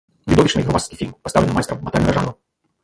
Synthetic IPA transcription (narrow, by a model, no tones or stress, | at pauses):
vʲid̪ɔvʲiʂnɨjɣɾɔmaskʲifʲilʲmpɐsavlʲɛnajst̪ɾɐmːɐt̪a̰lʲɾʐa̰nɔ